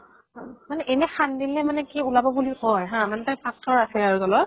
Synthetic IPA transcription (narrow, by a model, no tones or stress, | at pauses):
ãmanɛʔɛnɛxandinɛmanɛkɛulabɔbulihɔjɦãmanɛtajpʰak̚tʰɔɹasɛaɹutɔlɔ